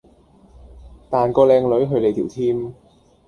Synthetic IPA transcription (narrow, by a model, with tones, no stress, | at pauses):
t̪aː˨˩nkɔː˧lɛː˧ŋlɵ˨˥ɥɦɵ˧ɥle˨˧t̪ʰiː˨˩wt̪ʰiː˥m